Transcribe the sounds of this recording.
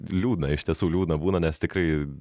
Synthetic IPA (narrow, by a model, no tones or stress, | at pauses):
lʲuːd̪ʲnɐɪʃʲt̪ʲiɛsuːlʲuːd̪ʲnɐbuːnɐnʲɛst̪ʲɪkɾɐɪ